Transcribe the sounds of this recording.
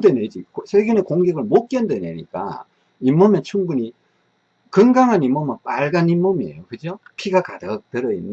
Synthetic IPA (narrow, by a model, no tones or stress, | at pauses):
dened͡ʑikosʰeɡenekoŋɡeɡɯɭmok̚k͈jʌndwenḛɲḭk͈a̰ | imːʌmet͡ɕʰuŋbuɲi | kɯŋɡaŋɦanimːʌmɯnpaɭɡanimːomiḛjokɯd͡ʑopʰiɡakadɯk̚tɯɾʌinː